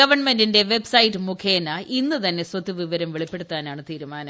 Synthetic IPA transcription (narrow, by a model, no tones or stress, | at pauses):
ɐʋɐrɳmendinde̞ʋebsɐjitːɨmukʰeːnːɐʔinːɨt̪ɐnːe̞swɐt̪ːiʋiʋɐɾɐmʋiɭipːe̞ɽut̪ːaːnaːɳɨt̪iːɾumaːnɐm